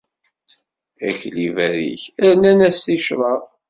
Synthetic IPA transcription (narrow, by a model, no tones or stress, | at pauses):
æ̰çlivæɾḭçæɾnænæsθiʃɾˤɑ